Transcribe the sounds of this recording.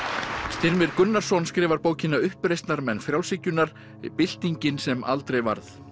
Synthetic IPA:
st̪ɪɾmɪɾkʏnːaɾ̥sɔnskɾɪːvaɾpoːwcɪnːaʏhpɾejst̪naɾmɛnːfɾjaw̪sɪcːʏnaɾ̥ | pɪl̥t̪iɲcɪnsɛma̰lt̪ɾejva̰ɾθ

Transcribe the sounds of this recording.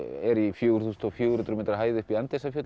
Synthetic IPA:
ɛɾifjœːɣɾ̥θuːst̪ɔfjʏːɣɾnt̪ɾmeːt̪ɾaɦaːjðʏhpiant̪ɛsafjœːt̪

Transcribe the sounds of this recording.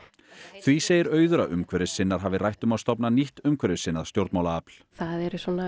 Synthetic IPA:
θviseːjɪɾœːɥðʏɾaʔʏmkʰvɛɾɪsɪnːaɾ̥ɦaːvɪrajht̪ʏmawst̪ɔpnaniht̪ʏmkʰvɛɾɪsɪnːað̥st̪jowɾt̪mawlaapl̥θaðɛɾsɔna

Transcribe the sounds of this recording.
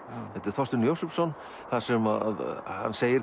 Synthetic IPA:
hɛt̪ɪɾ̥θɔst̪ʏnjowsɛpsɔnː | θasɛma̰ðha̰nːseːjɪɾ

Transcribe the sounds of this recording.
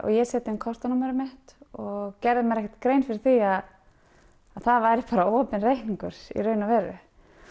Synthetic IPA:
ɔ̰ɣjɛsɛːt̪ɪmkʰɔr̥t̪anamɛɾʏmɛht̪ɔɣcɛɾðɪmɛɾɛhcɛ̥ɾ̥t̪kɾejnfɪɾɪɾ̥θiað | aðθaðvaːjɾɪpaːɾaɔːpɪnrejhniŋkʏɾ̥sḭrœːɥnavɛːrːʏ̰

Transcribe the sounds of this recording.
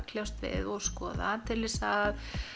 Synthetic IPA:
kʰljawst̪vɪ̰ðɔɣskɔːða̰t̪ʰɪlvɪsað

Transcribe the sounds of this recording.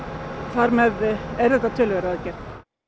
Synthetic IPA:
θaɾmɛðɛɾ̥θɛht̪ːat̪ʰʏːlʏvɛɾaaðɛcːɛɾ

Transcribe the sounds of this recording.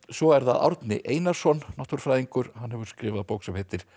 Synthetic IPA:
sɔɛɾθaða̰wɾt̪nɪ̰ʔeːjnaɾ̥sɔnːɔht̪ʏɾ̥fɾaːjðiŋkʏɾ̥hanɦɛvʏɾ̥skɾɪːvaðpoːwksɛmhɛt̪ɪɾ̥

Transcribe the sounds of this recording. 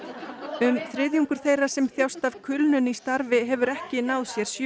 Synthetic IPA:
ʏmθɾɪðjuŋkʏɾ̥θejrːḁsɛmθjawst̪av̥kʰʏlnʏnist̪aɾvɪɦɛvʏɾɛhcɪnawðsjɛɾ̥sj

